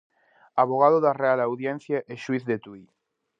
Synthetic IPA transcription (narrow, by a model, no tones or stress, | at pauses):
aβoɣ̞aðoðarealawðjẽn̟θjaʔeʃuiθðet̪ui